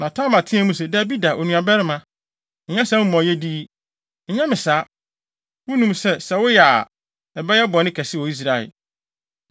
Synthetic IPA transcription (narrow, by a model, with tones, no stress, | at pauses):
nã˨tʰã˦ma˨tʰɪ̃˦ɛ̃˦mũ˦s̬ɛ˦˨da˨bi˦da˨ʔo˨nũ˨a˨bɛ˦ɾɪ˦mã˨ | ɲ̩˨ɲã˦sɛ̃˦m˦mɔ̃˨jɛ˦di˦ | ɲ̩˨˦ɲã˦mɪ̃˨saː˨˦ | wʊ̃˦nũ˦msɛ˦sɛ˨wʊ˦jɛ˨a˨ | ɛ˨bɛ˦jɛ˦bɔ˨nɪ̃˦kʰɛ˨sɪ˦wɔ˨i˦s̬ɾa˨ɛ̰˨